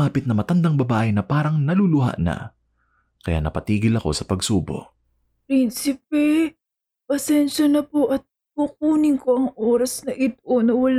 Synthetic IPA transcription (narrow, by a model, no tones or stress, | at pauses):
aːpɪt̪̚nɐmɐt̪ɐnd̪aŋbɐbaːʔɪnɐpaːɾɐŋnɐlulʊɦa̰ʔnɐ̰ | kɐja̰nɐpɐt̪iːɡɪlɐko̞sɐpɐɡsuːbo̰ʔ | pɾinsɪp̚ɛ | pɐsɛnʃɐnɐpoʔɐt̪̚ | pʊk̚uːnɪŋko̞ʔɐŋʔoːɾɐsnɐʔɪt̪̚ʔonɐwɐl